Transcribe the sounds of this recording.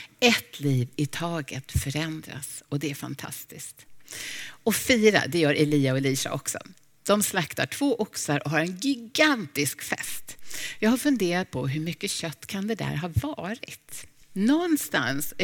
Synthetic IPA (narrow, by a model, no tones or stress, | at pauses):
ɛt̪ʰliːvɪt̪ʰɑːɡə̰t̪fœɾɛnd̪ɾa̰sɔd̪ɛæɾfa̰nt̪ʰa̰st̪ɪskt̪ | ɔfiːɾa̰d̪ɛjœːɾʔɛliːaɔɛliːsa̰ʔɔksɔ̰ | d̪̥ɔmslakt̪aʈʰvoːʔʊksaɾʔɔɦaɾɛnɡɪɡant̪ɪskfɛ̰st̪jɑːɡhaɾfɵnd̪eːɾat̪̚pʰɔɦɵɾmʏkːəɕœt̪ːkʰand̪ɛd̪æ̰ɾɦɑvɑːɾɪt̪nɔnːst̪a̰ns